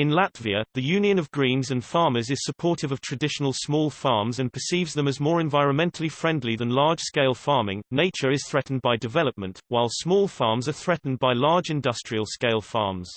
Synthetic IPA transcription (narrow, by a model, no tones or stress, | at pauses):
ɪ̃nlatv̥iəðəjʉ̃ːniə̃nəvɡɹĩːnzə̃nfɑːməzɪz̥səpʰɔˑtɪvəv̥tʰɹ̥ədɪʃənəlˠsmɔːlˠfɑːɹmzə̃npʰəsiːvzðə̃məzmɔːɹɛ̃ɱvaɪɹə̃nmɛ̃ntʰəlifɹɛ̃ndˡliðə̃nlɑːd̥ʒ̥skeɪlˠfɑːmɪ̃ŋneɪt͡ʃəɹɪz̥θɹɛʔn̩baɪdɪvɛləp̚mə̃nʔwaɪlˠsmɔːlˠfɑːmzəθɹɛʔn̩baɪlɑːd͡ʒɪ̃ndʌstɹ̥iəlˠskeɪlˠfɑ̰ːmz̥